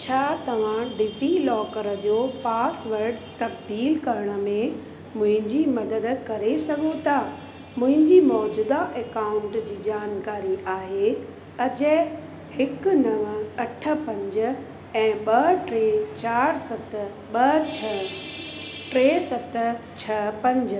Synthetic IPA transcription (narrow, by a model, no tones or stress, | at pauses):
t͡ɕʰaːt̪ɐʋ̤ãɖɪfilɔːkəɾəd͡ʑoːpaːsʋɐɾɖt̪ɐbd̪iːlkɐɾəɽ̃ə̆mẽ | mʊ̃ɦɪ̃ɲd͡ʑimɐd̪əd̪kɐɾesɐɡʱot̪a | mʊ̃ɦɪ̃ɲd͡ʑimɔːd͡ʑuːd̪aʔeːkaːʊ̃ɳʈd͡ʑiːd͡ʑaːnkaːɾiʔaːɦe | ɐd͡ʑə | hɪknɐʋəɐʈʰə̆pɐ̃ɲd͡ʑ̆ | ɛ̃ːɓɐʈɾeːt͡ɕaːɾsɐt̪ | ɓɐt͡ɕʰɐ | ʈɾeːsɐt̪t͡ɕʰɐpɐ̃ɲd͡ʑ